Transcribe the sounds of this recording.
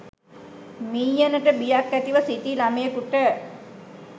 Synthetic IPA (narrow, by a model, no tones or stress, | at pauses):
miːjənəʈəbijakːæt̪iʋəsit̪ilamejəkuʈə